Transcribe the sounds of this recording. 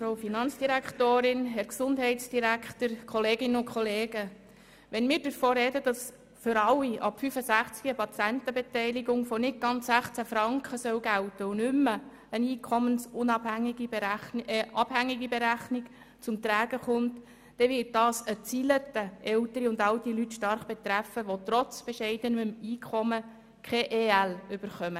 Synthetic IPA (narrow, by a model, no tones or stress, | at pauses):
fɾowfinɑnt͡sd̥iɾækχtoːɾɪnɦɛɾksʊndɦɛɪtt͡sd̥iɾækχtəɾkʰχɔleːɡɪnəʊnkʰχɔleːɡə | ʋɛnmɪːɾdəɾfoːɾɛdədɑs | fʏɾɑlːiʔɑpfyfəsæχt͡skiəpɑt͡sæntəbɛtɛɪliɡʊŋfɔnɪt̚ɡ̥ɑnt͡sːæχt͡sæfɾɑŋkχəsœwɡæltəʊnʏmːə | əniːkʰɔmənsʊnɑbæŋiɡi | ʔɑb̥hæŋːiɡibɛɾæχnik | t͡sʊmt̪ɾæːɡ̥əχʊntː | ɛʋɪːt̚d̥ɑːsət͡silətəʔɛwtəɾiʊndɑltilytʃtɑrχb̥ɛt̪ræfəʋot̪ɾɔt͡sb̥ɛʃɛɪdənəmiːkʰɔmə | kʰɛʔeːælʏb̥əɾχœmə